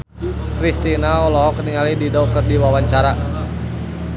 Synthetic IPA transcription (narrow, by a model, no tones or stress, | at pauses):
kɾist̪inaɔlɔɦɔkəniŋalididɔk̚kərdiwawaɲt͡ʃaɾa